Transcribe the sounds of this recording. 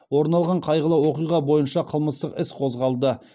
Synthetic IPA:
wo̞ɾnɑlˠʁɑɴqʰɑjʁəlˠɑwo̞qijʁɑbo̞jənʃɑqʰəlˠməst̪əqɪsqʰo̞zʁɑlˠd̪ə

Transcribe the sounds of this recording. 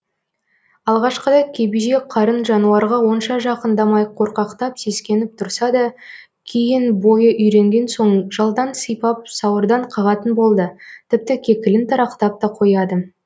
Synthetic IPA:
ɑlˠʁɑʃqəd̪ɑjkʲʰe̞biʒeqʰɑɾənʒɑnuɑɾʁɑwo̞nʃɑʒɑqənd̪ɑmɑjqʰo̞ɾqɑqt̪ɑpse̞skʲe̞nɪp̚t̪ʰʊɾsɑd̪ɑ | kʲʰejɪnbo̞jəʔʏjɾe̞ŋɡʲe̞nso̞ɴʒɑlˠd̪ɑnsəjpɑp̚sɑwəɾd̪ɑɴqʰɑʁɑt̪ənbo̞lˠd̪ət̪ʰɪp̚t̪ɪkʲʰe̞kʲɪlɪnt̪ʰɑɾɑqt̪ɑp̚t̪ɑqʰo̞jɑd̪ə

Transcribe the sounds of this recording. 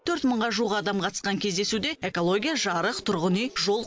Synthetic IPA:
t̪ʰɵɾt̪məɴʁɑʒuʁɑːd̪ɑmqʰɑt̪ə̥sqɑŋkʲʰe̞zd̪e̞sud̪e̞e̞ko̞lˠo̞ɡʲijaʒɑɾəqt̪ʰʊɾʁənijʒo̞lˠ

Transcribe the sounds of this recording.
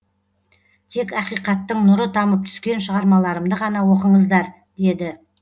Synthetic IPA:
t̪ʰe̞kɑqijqɑt̪ːəɴnʊɾət̪ʰɑməp̚t̪ʰʏ̥skʲe̞nʃəʁɑɾmɑlˠɑɾəmd̪əʁɑnɑwo̞qəɴəzd̪ɑɾ | d̪e̞d̪ɪ

